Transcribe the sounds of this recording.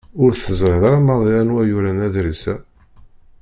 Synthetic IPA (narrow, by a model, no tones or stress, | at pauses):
ʊɾθəzˤɾɪðɾɑmɑðˤiænwæjuɾænæðɾisæ